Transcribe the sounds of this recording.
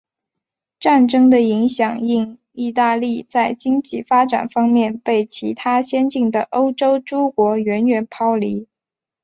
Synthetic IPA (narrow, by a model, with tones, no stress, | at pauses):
ʈ͡ʂa˥˩nʈ͡ʂɤ˥ŋd̪ə˨i˧˥ŋɕjɑ˨˩ŋi˥˧ŋ | i˥˧t̪a˥˧li˥˧t͡sa˥˩ɪt͡ɕi˥ŋt͡ɕi˥˩fa˥ʈ͡ʂa̰˨˩nfɑ˥ŋmjɛ˥˧npe˥˩ɪt͡ɕʰi˧˥t̪ʰa˥ɕjɛ˥nt͡ɕi˥˩ŋd̪ə˩ʔo˥ʊʈ͡ʂo˥ʊʈ͡ʂo˥ʊkwɔ˧˥ɥɛ˧˥nɥɛ˨˩npʰɑ˥ʊli˧˥